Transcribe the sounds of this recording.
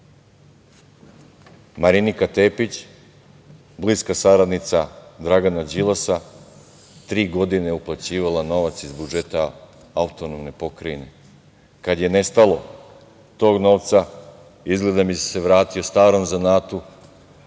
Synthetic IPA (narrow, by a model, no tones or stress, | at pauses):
maɾinikat̪e̞ːpit͡ɕ | bliːskasaɾad̪nit̪sad̪ɾaɡanad͡ʑilˠasa | t̪ɾiːɡo̞d̪ineuplˠat͡ɕiːʋalˠano̞ʋat̪sizbud͡ʒe̞t̪a | aut̪o̞no̞mne̞po̞kɾaine̞̰ | kad̪je̞ne̞st̪alˠo̞ | t̪o̞ːɡno̞ːʋt̪sa | izɡle̞d̪amise̞ʋɾaːt̪io̞st̪aːɾo̞mzanaːt̪u